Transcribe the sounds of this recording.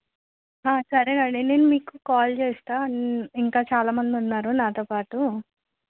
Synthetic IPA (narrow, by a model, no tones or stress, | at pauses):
ɦaːsɐɾeɐɳɖene̞ːnumiːkukaːlt͡ʃeːst̪aːiŋkaːt͡ʃaːlaːmɐnd̪iunːaːɾunaːt̪oːpaːʈu